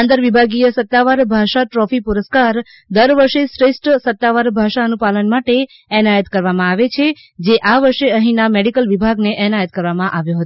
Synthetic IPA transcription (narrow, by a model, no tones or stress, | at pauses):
ãnd̪əɾʋibʱaɡijəsət̪ːaʋaɾbʱaʃaʈɾɔfipuɾəskaɾ | d̪əɾʋəɾʃesɾesʈsət̪ːaʋaɾbʱaʃaənupalənmaʈe | ɛnajət̪kəɾʋamãaʋet͡ʃʰe | d͡ʒeʔaʋəɾʃeəɦĩnameɽikəlʋibʱaɡneʔɛnajət̪̚kəɾʋamãʔaʋjoɦət̪